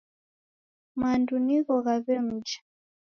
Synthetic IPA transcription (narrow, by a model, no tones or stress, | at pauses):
manduniɣɔɣaβɛm̩d͡ʒḁ